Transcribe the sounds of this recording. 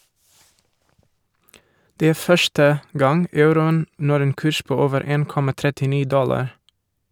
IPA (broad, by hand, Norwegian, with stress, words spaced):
ˈdeː ˈæː ˈfœʃtə ˈɡɑŋ ˈɑʉɾʊən ˈnɔɾ ˈeːn ˈkʉːʃ ˈpoː ˈoːʋəɾ ˈeːn ˈkɔmɑ tɾɛtɪˈniː ˈdɔlɑɾ